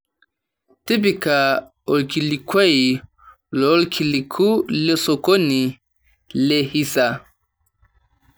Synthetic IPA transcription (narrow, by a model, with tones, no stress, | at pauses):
ti˦bi˨ka˨ | o˨lki˨li˨kwa˦i˨ | lɔ˨˦lkʰi˨li˨kʰu˦le˦so˨ko˦ni˨ | le˨hi˦sa˨